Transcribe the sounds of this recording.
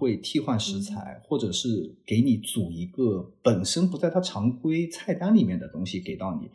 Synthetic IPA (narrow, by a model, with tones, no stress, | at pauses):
xwe˥˧ɪt̪ʰi˥˧xwa˥˩nʂɻ̩˧˥t͡sʰa˧˥ɪxwɔ˥˩ʈ͡ʂɤ˨˩ʂɻ̩˥˩ke˧˥ɪni˧˩˥t͡su˨˩i˧˥ɡə˧pə˨˩nʂə˥npu˧˥t͡sa˥˩ɪt̪ʰa˥ʈ͡ʂʰɑ˧˥ŋkʰwe˥ɪt͡sʰa˥˩ɪt̪a˥nli˨˩mjɛ˥˩nd̪ə˩t̪ʊ˥ŋɕi˨ke˨˩ɪt̪ɑ˥˩ʊnḭ˨˩˦